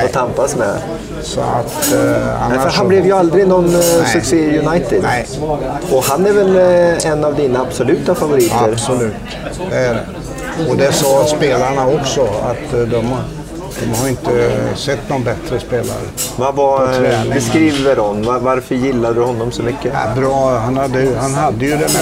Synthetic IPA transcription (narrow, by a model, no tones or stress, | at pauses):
ɔt̪ʰampasmɛ | sɔ̰a̰t̪ha̰nɛfəɾɦanblɛvjɵald̪ɾɪɡnɔnːsɵkseːjɵnajt̪ɪd̪ | ɔhanɛɾvɛlɛnːavd̪iːnaːbsɔlʉ̟ːt̪afavʊɾiːt̪əɾslʉːt̪ | d̪ɛæɖɛ̰ | ɔd̪ɛsɑːspeːlaɳaɔksɔa̰t̪d̪ɔm | d̪̥ɔmhaɾɪnt̪əsɛt̪ːnɔnbɛt̪ɾəspeːla̰ɾə̰vavabɛskɾiːvəɾɔnvavaɾfœɾjɪlːaəd̪ɵhɔnːɔmsɔmʏkːəbɾɑːhanhad̪ːəjhanɦad̪ːəjɵd̪ɛm